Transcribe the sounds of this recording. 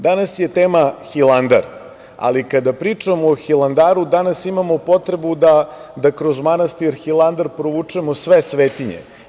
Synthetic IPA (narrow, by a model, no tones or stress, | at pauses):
d̪anasje̞t̪eːmaxilˠand̪a̰ɾ | a̰likad̪apɾiːt͡ʂamoːxilˠand̪aːɾud̪anasimamo̞po̞t̪ɾe̞bud̪ad̪akɾozmanast̪iɾxilˠand̪aɾpɾoʋut͡ʂemosʋesʋeːt̪iɲḛ